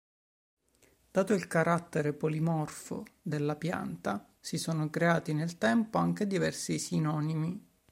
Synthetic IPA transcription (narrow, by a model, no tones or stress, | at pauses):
d̪̥aːt̪oilkaɾat̪ːeɾepolimɔrfo̰d̪elːapja̰nt̪a | sisoːnokɾeaːt̪inelt̪ɛmpoaŋk̟ed̪ivɛrsisinɔːnimi